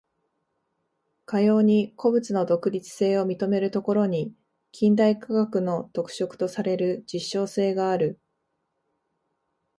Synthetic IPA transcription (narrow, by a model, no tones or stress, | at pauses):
kajo̞ːɲ̟ikʰo̞bɯ̟t͡sɨno̞d̪o̞kɯ̟ɾʲit͡sɨ̥se̞ːo̞mʲit̪o̞me̞ɾɯ̟t̪o̞ko̞ɾo̞ɲ̟i | kʲʰĩnd̪aikaɡakɯ̟no̞t̪o̞kɯ̟̥ɕo̞kɯ̟̥t̪o̞saɾe̞ɾɯ̟d͡ʑiɕːo̞ːse̞ːɡaːɾɯ̟